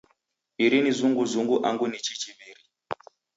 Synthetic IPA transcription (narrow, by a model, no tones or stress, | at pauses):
iɾinizuŋɡuzuŋɡuʔa̰ŋɡunit͡ʃit͡ʃiʋiɾi